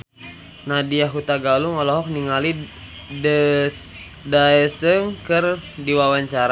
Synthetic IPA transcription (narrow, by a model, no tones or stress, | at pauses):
nadiaɦut̪aɡaluŋɔlɔɦɔk̚niŋali | daɛsəŋkərdiwawaɲt͡ʃaɾa